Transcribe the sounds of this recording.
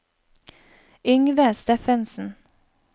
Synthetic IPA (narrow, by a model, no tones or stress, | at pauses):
ʏŋʋəst̪ɛfɛnsn̩